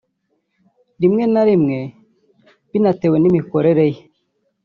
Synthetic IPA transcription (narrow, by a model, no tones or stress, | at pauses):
dimŋenaɾimŋe | b̥inatewenimikoɾeɾej